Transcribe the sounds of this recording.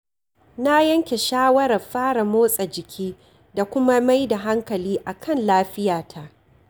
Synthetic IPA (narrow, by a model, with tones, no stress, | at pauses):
na˦jɐ˦ŋkʲe˨ʃaː˦wɐ˦ɾɐ˨rɸaː˦ɽa˨moː˦sʼa˨d͡ʒɪ˨kʲʰiː˦ | da˨kʷʊ˦ma˦ma˦jda˨ɦa˦ŋkɐ˨liː˦ʔa˨kʰɐ˦˨nlaː˦ɸɪ˦jaː˨tʰa˦ʔ